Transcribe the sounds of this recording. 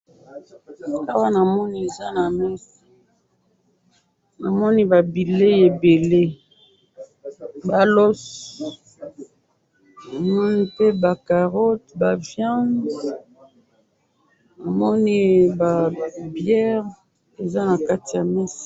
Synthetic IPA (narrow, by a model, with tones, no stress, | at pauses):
a˦wa˦na˨mɔ˦ni˦e˨za˦na˨mɛ˦si̥˨ | na˨mɔ˦ni˦ba˨bi˨le˦je˨be˨le˦ | ba˨lɔ˦s | a˨mɔ˦ni˦pe˦ba˨ka˨ʁɔ˦tba˨vjã˦n | na˨mɔ˦ni˦ba˨bjɛ˦ʁ | e˨za˦na˨ka˦ti˨ja˨mɛ˦si̥˨